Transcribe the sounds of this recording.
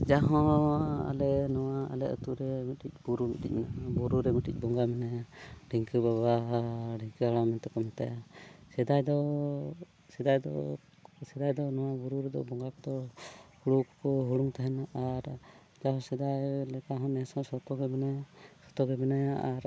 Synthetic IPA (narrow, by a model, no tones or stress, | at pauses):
d͡ʒaɦɔ̃a̰lɛnɔwaa̰lɛʔə̰t̪uɾɛmiʈic̚buɾumiʈḭc̚nabuɾuɾɛmiʈic̚ˀbɔŋɡamɛnɛɖiŋkəbabaɖiŋkəaɽamɛnt̪ɛkɔmɛt̪a̰jasɛd̪ajd̪ɔ | sɛd̪ajd̪ɔ̰ | sɛd̪ajd̪ɔnɔwabuɾuɾɛd̪ɔ̰bɔŋɡakɔd̪ɔhuɽukkɔɦuɽuŋt̪aɦɛnaʔaɾ | d͡ʒaɦɔ̃sɛd̪ajlɛkaɦɔ̃nɛsɔ̃sɔt̪ɔɡɛbɛnɛsɔ̥t̪ɔɡɛbɛnajaaɾ